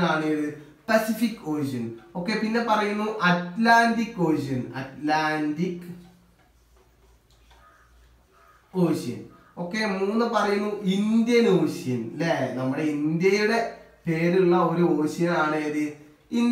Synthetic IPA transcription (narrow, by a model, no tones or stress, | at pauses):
aːɳejɐðɨ | pɐsifikːo̞ːɕiɐno̞kːe̞pinːe̞pɐrɐjunːuʔɐtlaːnɖikːo̞ːɕ̬iɐnɐ̰tlaːndikː | oːɕijɐ̰n | o̞kːe̞muːnːɨpɐrɐjunːuʔind̪jɐnoːɕijɐnlenɐmːuɽe̞ind̪jɐjuɽe̞ | pe̞ːɾuɭːɐo̞ɾuo̞ːɕijɐnaːɳejɐðɨ | in